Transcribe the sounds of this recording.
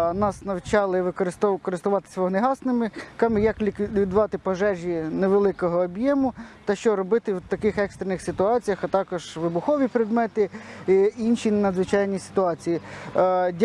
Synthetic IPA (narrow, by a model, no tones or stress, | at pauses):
nɑsnɐwt͡ʃɑlˠɪʋɪkɔɾɪst̪kɔɾɪst̪ʊʋɑt̪ɪ̥sʲʋɔɦɔneɦɑsnɪmɪkɑmɪjɐkʲikʋʲid̪ʋɑt̪ɪpɔʒɛʒʲineʋelˠɪkɔɦɔːbjɛmʊt̪ɐʃt͡ʃɔɾɔbɪt̪ɪwt̪ɐkɪxɛkst̪ɾenɪxsʲɪt̪ʊɑt͡sʲijɐxɐt̪ɑkɔʒʋɪbʊxɔʋʲipɾɛd̪mɛt̪ɪ | inʃʲinnɐd̪zʋɪt͡ʃɑjnʲisɪ̥t̪ʊɑt͡sʲiji | dʲ